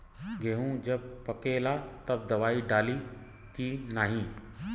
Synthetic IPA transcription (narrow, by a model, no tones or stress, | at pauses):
ɡeːɦũd͡ʒɐb̚pɐkelaːt̪ɐb̚d̪ɐʋaːiɖaːli | kinaːɦĩː